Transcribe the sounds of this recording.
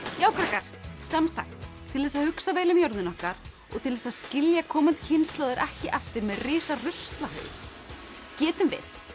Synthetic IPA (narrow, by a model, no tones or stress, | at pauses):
jaːwkʰɾakaɾ̥sɛmsa̰xt̪ʰː | ɪlðɛs̬ːaðhʏksaveːjlʏmjɔwɾðɪnɔhkaɾ | ɔ̰ɣt̪ʰɪlðɛsascɪljakʰɔːmant̪cʰɪnst̪laːwðʏɾʔɛhcɪʔɛft̪ɪɾmɛðrɪːsarʏst̪lahœ̰ːʏ̰ɾ | cɛːt̪ʏmvɪ̰θ